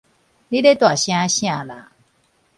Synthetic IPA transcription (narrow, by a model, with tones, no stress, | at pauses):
li˦de˦t̪wa˨˩ɕj̃ã˧˦ɕj̃ã˥˧˨la̰˨˦